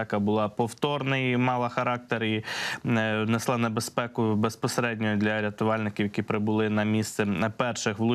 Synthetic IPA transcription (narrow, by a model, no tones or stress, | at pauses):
ɑkɐbʊlˠɑpɔwt̪ɔrnɪjmɑlˠɐxɐɾɑk̚t̪eɾi | neslˠɑnebespɛkʊbespɔseɾɛdʲnʲɔjʊd̪lʲɐɾʲɐt̪ʊʋɑlʲnɪkʲɪwjɐkʲipɾɪbʊlˠɪnɐmʲist̪sɛpɛrʃɪxʋlˠʊ